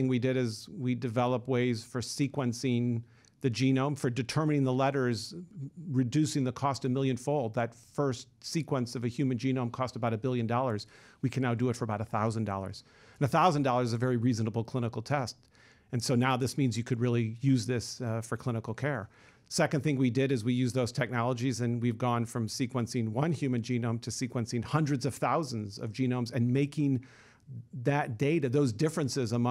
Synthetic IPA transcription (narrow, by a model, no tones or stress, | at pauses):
ɪ̃ŋwidɪɾɪzwidɨvɛlˠəpweɪz̥fə˞sikwə̃nsɪ̃ŋ | ðɨd͡ʒĩnõʊ̃ɱfə˞dɨtʰɜ˞mɨnɪ̃ŋðəlɛɾə˞z | ɹɨdʉsɪ̃ŋðɨkʰɔstʌmɪlˠjɨ̃nfoʊlˠd̪̚ðɨtfɜ˞stsikwə̃nsʌvɨhjʉmɨ̃nd͡ʒĩnõʊ̃mkʰɔstəbaʊɾɨbɪlˠjɨ̃ndɔlˠə˞z̥ | wikʰɨ̃nːaʊdɨɨtfə˞əbaʊɾəθaʊzɨ̃ndɔ̰lˠə̰˞z̥ | ɨ̃n̩ɨθaʊzɨ̃n̩dɔlˠə˞zɨvɛɹiɹiznəbl̩ˠkʰl̥ɪ̃ñəkl̩ˠtʰɛst | ɨ̃nsoʊnaʊðɪsmĩnzjɨkʰɨd̚ɹɪlˠijʉzðɪsfə˞kʰl̥ɪ̃ñəkl̩ˠkʰɛɹ | sɛkɨ̃nθɪ̃ŋwidɪɾɨzwijʉzðoʊz̥tʰɛk̚nɑlˠəd͡ʒizɨ̃nwivɡɔ̃nfɹʌ̃msikwə̃nsɪ̃ŋwʌ̃nhjʉmɨ̃nd͡ʒĩnõʊ̃mtʰɨsikwə̃nsɪ̃ŋhʌ̃ndɹɨdzʌv̥θaʊz̃n̩zʌ̰vd͡ʒĩnõʊ̃mzɨ̃nmeɪkɪ̃ŋ | ðɨt̚d̥eɪɾɨðoʊzdɪfɹɨ̃nsɪzəmʌ̃